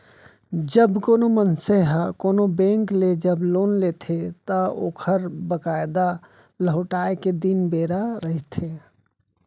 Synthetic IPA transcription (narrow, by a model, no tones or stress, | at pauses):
d͡ʒəbkoːnomənseɦkoːnobẽːŋkled͡ʒəbloːnleːt̪ʰet̪əoːkʰəɾbəkaːɪd̪a | ləɦʊʈaːeked̪inbeːɾaɾəɦit̪ʰeː